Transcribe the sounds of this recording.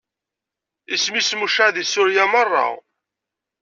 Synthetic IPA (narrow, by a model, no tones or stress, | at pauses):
ismismuʃaðisʊɾjamərˤːɑ̰